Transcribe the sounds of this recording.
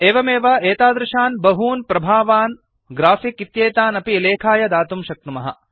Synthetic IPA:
eːʋɐmeːʋɐeːt̪aːd̪ɾɐʃaːnbɐɦuːnpɾɐbʱaːʋaːn | ɡɾaːfikit̪jeːt̪aːnɐpileːkʰaːjɐd̪aːt̪umʃɐk̚t̪umɐɦɐ̰

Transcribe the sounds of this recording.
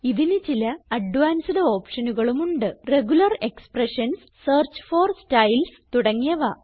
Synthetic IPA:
iðinɨt͡ɕilɐɐɖʋaːnsɐðɐo̞ːpʂɐnuɣɐɭumuɳɖɨre̞ɣulɐre̞kspreʂɐns | seːrt͡ɕfoːrstɐjlst̪uɽɐŋːijɐʋaː

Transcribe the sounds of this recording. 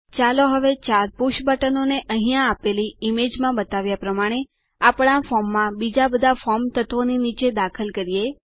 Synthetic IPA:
t͡ʃaloɦəʋet͡ʃaɾpuʃbəʈənoneʔə̃ɦĩjãːpeliimed͡ʒmãbət̪aʋjapɾəmaɽ̃e | apɳ̃afɔmːãbid͡ʒabəd̪ʱafɔmt̪ət̪ʋoninit͡ʃed̪akʰəlkəɾije

